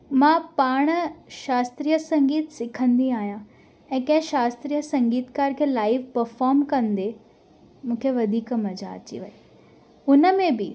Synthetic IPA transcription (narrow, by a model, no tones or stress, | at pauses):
mãːpaːɽ̃əʃaːst̪ɾiːəsɐ̃ŋɡiːt̪sɪkʰə̃nd̪iaːɦijã | ɛ̃ːkɐ̃ɦɪ̃ʃaːst̪ɾiːəsɐ̃ŋɡiːt̪kaːɾkʰeːlaːɪʋpɐɾfɔːɾmkɐ̃nd̪e | mũːkʰeʋɐd̪ʱiːkmɐza̰ɐ̰t͡ɕḭʋɐi | ʊnə̆mẽbɪ